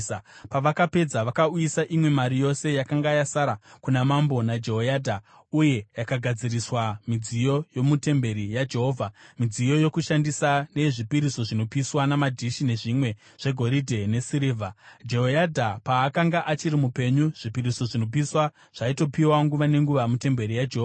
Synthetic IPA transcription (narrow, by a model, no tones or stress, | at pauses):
paʋakape̞d͡zaʋakaujisaʔimwe̞maɾijo̞se̞jakaŋɡajasaɾakunamambo̞nad͡ʒe̞ɦojaːdʱa | uje̞jakaɡʱad͡ziriswamid͡zijo̞jo̞mute̞mbe̞ɾijad͡ʒe̞ɦo̞ːvʱamid͡zijo̞jo̞kuʃandisane̞ʐipiɾiso̞ʐino̞piswanamadʱiʃine̞ʐimwe̞ | ʐ̥e̞ɡʱo̞ɾidʱe̞ne̞siɾeːvʱad͡ʒe̞ɦojadʱapaːkaŋɡaʔat͡ʃiɾimupe̞ɲuʐ̥ipiɾiso̞ʐino̞p̬iswa | ʐ̥aito̞piwaŋɡuʋane̞ŋɡuʋamute̞mbe̞ɾijad͡ʒeɦoːva